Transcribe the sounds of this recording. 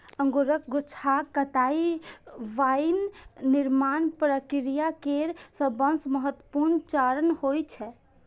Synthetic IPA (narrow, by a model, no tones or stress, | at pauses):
əŋɡoɾək̚ɡot͡ʃʰakət̪ai | ʋajnːiɾmanpɾəkiɾijakeɾsəbənsməɦət̪wəpuɾnt͡ʃaɾənhojt͡ʃʰɛ